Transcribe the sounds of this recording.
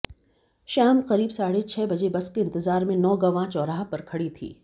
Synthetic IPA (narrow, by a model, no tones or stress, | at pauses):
ʃaːmqɐɾiːbsaːɽet͡ʃʰɛːbɐd͡ʒebɐskeɪ̃nt̪ɪzaːɾmẽnɔːɡɐʋãt͡ʃɔːɾaːɦpɐɾkʰɐɽit̪ʰḭː